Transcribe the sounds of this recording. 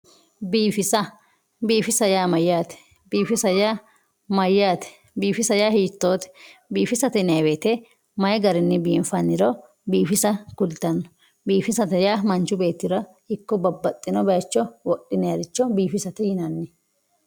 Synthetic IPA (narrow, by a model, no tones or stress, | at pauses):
biːfɪsɐ | biːfɪsɐjaːmɐjːaːt̪ɛ̥ | biːfɪsɐjaː | mɐjːaːt̪ɛ̥ | biːfɪsɐjaːhiːt̪ːo̞ːt̪ɛ̥biːfɪsɐt̪ɛnɐweːt̪ɛ | mɐjɡɐɾɪnːɪbiːnfɐnːɪɾɔ | biːfɪsɐkʊlt̪ɐnːɔ̥ | biːfɪsɐt̪ɛjaːmɐnt͡ʃʊbe̞ːt̪ːɪɾɐ | ɪkːɔbɐbːɐt̪ʼːɪnɔbɐjɐt͡ʃːɔwɔʔɪnɛjɐɾɪt͡ʃːɔbiːfɪsɐt̪ɛjɪnɐnːɪ